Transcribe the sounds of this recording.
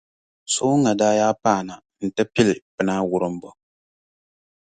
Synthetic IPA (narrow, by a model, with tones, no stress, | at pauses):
so˦ŋa˨daː˦jaː˦paː˦˨na˨ | n̩˨tɨ˦pi˦lɪ˨pɨ˨˦naː˦wʊ˦ɾɨ˦m˦bɔ˨